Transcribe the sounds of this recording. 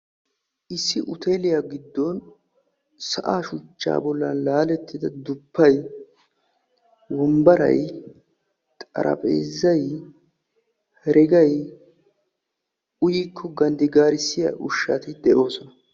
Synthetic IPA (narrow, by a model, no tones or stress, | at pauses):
ʔɪsːɪʔʊt̪eːlɪjaːɡɪd̪ːɔn | sɐʔaːʃʊt͡ʃːa̰ːbɔlːɐ̰nlaːlɛt̪ːɪd̪ɐd̪ʊpːɐj | wɔmbɐɾɐ̰j | t̪ʼɐ̰ɾʔɐ̰pʼḛːzːɐj | hɛɾɛɡɐj | ʊjiːkʰːɔɡɐnd̪ɪɡaːɾɪsːɪja̰ʔʊʃːat̪ɪd̪ɛʔo̞ːsɔnɐ